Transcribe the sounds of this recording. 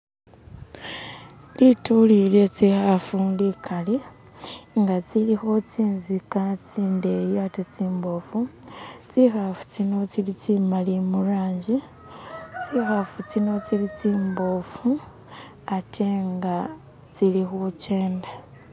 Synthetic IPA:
litulilet͡sixafundikʰali | ŋɡat͡silixo̞t͡siːnzikat͡siːndejatet͡siːmbo̞ːfut͡sixafu̥t͡sino̞t͡silit͡simalimuɾaːɲɟi | t͡sixafut͡sino̞t͡silit͡siːmbo̞fu | atʰeŋɡa | t͡silixot͡ʃeːnda

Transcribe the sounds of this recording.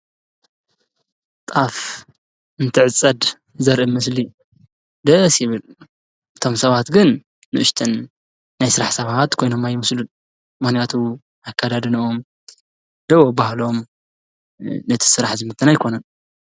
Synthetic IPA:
t̪ʼaf | ɨnt̪ʰɨʕɨt͡sʼːɐd̪ | zɐɾʔɨmɐsli | d̪ɐsjɪβɨl | ʔɨt̪ʰo̞msɐβat̪ɡɨnː | ɨʔɨʃt̪ʰɨnː | ajsɨɾaħsɐβat̪kʰo̞jno̞majːɪmɐslun | mɨxnijat̪ʰu | akʰːad̪ad̪ɨnʔom | d̪ɨβobahlo̞m | nɐt̪ʰi̥sɨɾaħzɨmɨt̪ʰːɨnajkʰo̞nɐn

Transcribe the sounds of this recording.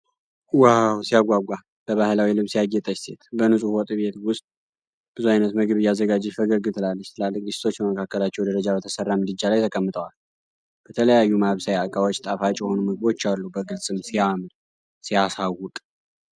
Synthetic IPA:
wawsijaɡʷaɡʷa | b̥əβahɨlawilɨβsijaɡːɛt̪ʼəʃse̞t̪bənɨsʼuhwɔt̪ʼβe̞t̪wʊst̪ʼ | b̥ɨzuajnət̪məɡɨβɨjazːəɡad͡ʒɛfəɡəɡɨt̪ʰɨlalːəʃt̪ʰɨlalːɨkʼɡist̪ʰo̞t͡ʃːbəməkʰakːəlat͡ʃːɛwd̪əɾəd͡ʒabət̪ʰəsərːamɨd̪ɨd͡ʒalajt̪ʰəkʼəmːɨt̪ʰəwal | b̥ət̪ʰələjajːumaβsajakʼawo̞t͡ʃːt̪ʼafat͡ʃʼjɛho̞numəɡɨβo̞t͡ʃːalːubəɡɨlsʼɨmsijamn | sijasawʊt̪ʼ

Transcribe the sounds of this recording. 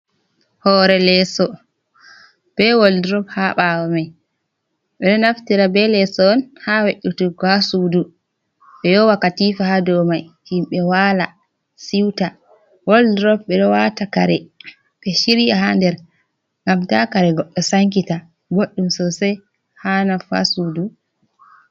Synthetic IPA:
hɔːɾɛlɛsɔ | b̥ɛwoldɾɔphaɓawɔmaj | ɓɛɗɔnaftiɾabɛlɛsɔːnhaweʔutukɔhasudu | ɓɛjɔwakːatifahadɔmajhimɓɛwala | siwta | wɔldɾɔp̚ɓɛɗɔwataka̰ɾɛ | ɓɛʃiɾiahandɛɾ | ŋɡamtakaɾɛɡɔɓɔsaŋkita | ɡoɗːumsɔsɛ | hanafa̰sudu

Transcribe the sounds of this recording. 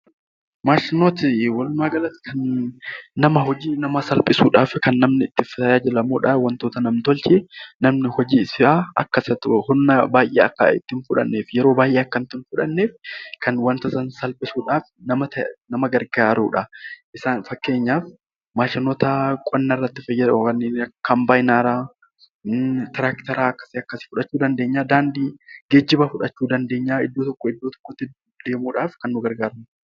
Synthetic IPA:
maːʃɪnoːt̪ɪwɐlʊmaːɡɐlɐt̪ːkʰɐnː | ɐmɐɦɔd͡ʒiːnɐmɐsɐlpʼɪsuːᶑaːfkɐnːɐmnɪɪt̪ːɪft̪ɐjaːd͡ʒɪlɐmoːᶑɐwɐnt̪o̞ːt̪ɐnɐmnt̪ɔlt͡ʃeːnɐmnɪhɔd͡ʒiːsɪʔaːʔɐkːɐsɐt̪hʊnːɐbaːjʔeːɐkːɐ̰ɪ̰t̪ːɪnfʊᶑɐ̰nːeːfjɛɾo̞ːbaːʔeːɐkːɐnt̪ːɪnfʊᶑɐnːeːfkʰɐnwɐnt̪ɐsɐnsɐlpʼɪsuːᶑaːfnɐmɐt̪ɐnɐmɐɡɐɾɡaːɾṵːᶑɐʔɪsaːnfɐkːe̞ːɲːaːf | maːʃɐnɔt̪akʼɔnːɐrːɐt̪ːɪfɐjːɐd̪kɐnːeːnɐkːɐmbaːjnaːɾaː | t̪ɪɾaːkt̪ɐɾaːɐkːɐ̥sɪɐkːɐsɪ̥fʊᶑɐt͡ʃːuːd̪ɐnd̪eːɲːaːd̪aːnd̪iːɡeːd͡ʒːɪbɐfʊᶑɐt͡ʃːuːd̪ɐnd̪e̞ːɲːaːɪd̪ːo̞ːt̪ɔkːɔɪd̪ːoːt̪ɔ̥kːɔt̪ːɪ | d̪̥e̞ːmuːᶑaːfkɐnːʊɡɐɾɡaːɾmɪ

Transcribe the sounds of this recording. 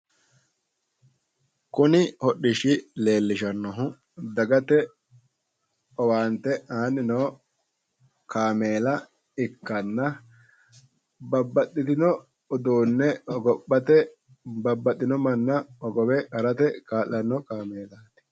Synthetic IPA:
kʊnɪhɔɗɪʃɪle̞ːlːɪʃɐnːɔɦʊ | d̪ɐɡɐt̪ɛ | ɔwaːnt̪ɛaːnɪnoː | kaːmeːlɐ | ɪkːɐnːɐ | bɐbːɐt̪ːɪt̪ɪnɔ | ɔd̪uːnːɛɔɡɔpːɐt̪ɛ | bɐbːɐt̪ːɪnɔmɐnːɐɔɡɔwɛkɐɾɐt̪ɛkaːlːɐnːɔkaːmeːlaːnɛ̥

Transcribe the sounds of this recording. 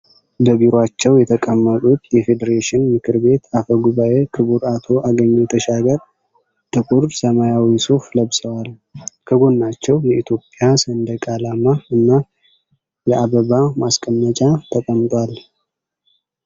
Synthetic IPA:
bəbiɾoat͡ʃːɛwjɛt̪ʰəkʼəmːət̪ʼut̪jɛfe̞d̪əɾeʃɪnmɨkʰɨɾbe̞t̪afəɡuβaʔekʰɨβuɾat̪ʰo̞ʔaɡəɲːujɛt̪ʰəʃaɡəɾ | t̪ʰɨkʼuɾsəmajawiso̞fləβsʼəwal | kʰəɡo̞nːat͡ʃːɛwjɛit̪ʰjo̞pʼjasənd̪əkʼalamaɨnːa | jɛʔaβəβamaskʼəmːət͡ʃʼat̪ʰəkʼəmt̪ʼwal

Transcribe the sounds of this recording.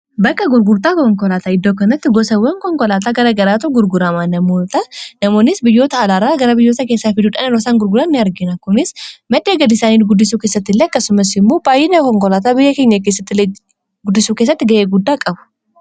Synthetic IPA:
bɐkːɐɡʊɾɡʊɾt̪aːkɔŋkɔlaːt̪ɐɪd̪ːoːkɐnɐt̪ːɪɡɔsɐwɐŋkɔŋkɔlaːt̪aːɡɐɾɐɡɐɾaːt̪ʊɡʊɾɡʊɾɐmaːnɐmoːt̪ɐnɐmo̞ːnːɪsbɪjːo̞ːt̪ɐːlaːɾaːɡɐɾɐbɪjːo̞ːt̪ɐke̞ːsːaːfɪd̪uᶑɐnɐnɔsaːŋɡʊɾɡʊɾanːɪɐɾɡɪnɐkːʊmɪsmɐd̪eːɡɐlɪsaːniːlɡʊd̪ːɪsuːkeːsːɐt̪ːɪlːeɐkːɐsʊmɐs̬ɪmːoːbaːjːɪnɐkɔŋkɔlaːt̪̬aːbɪjːɐkeɲːɐk̬eːs̬ːɐt̪ːɪle | ɡʊd̪ːɪsuːkesːɐt̪ːɪɡɐʔeːɡʊd̪ːaːkʼɐbʊ̥

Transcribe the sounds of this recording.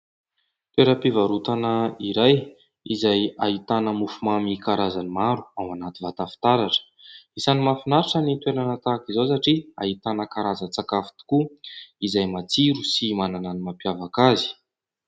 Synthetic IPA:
t̪weɾəpivaɾut̪anəiɾaj | izajaɦit̪anəmufumamikaɾazanimaɾu̥awanat̪ivat̪afi̥t̪aɾaʈ͡ʂə̥ | isanimafinaɾaʈ͡ʂənit̪weɾanat̪akizosaʈ͡ʂia̰ɦit̪anəkaɾazət͡sakafi̥t̪i̥kuizajmat͡siɾusimanananimapjavakazi̥

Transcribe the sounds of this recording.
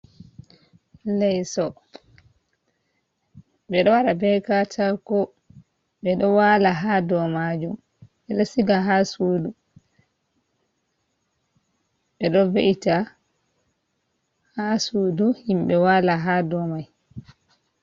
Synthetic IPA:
lɛjsɔ | ɓɛɗɔwaɾabɛkatʰakɔ | ɓɛɗɔwalaɦadɔmad͡ʒum | ɓɛɗɔsiɡaɦasuːdu | ɓɛɗɔveʔita | hasuːduhimɓɛwaːlaɦadɔmaj

